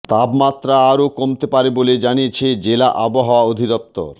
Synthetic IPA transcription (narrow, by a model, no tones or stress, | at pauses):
t̪abmat̪ːɾaaɾokomt̪epaɾeboled͡ʑanijet͡ɕʰed͡ʑelaʔaboɦawaod̪ʱid̪ɔp̚t̪ːo̰ɾ